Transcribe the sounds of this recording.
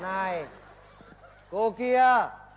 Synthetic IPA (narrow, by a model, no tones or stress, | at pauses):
naːɦe | koːkijaː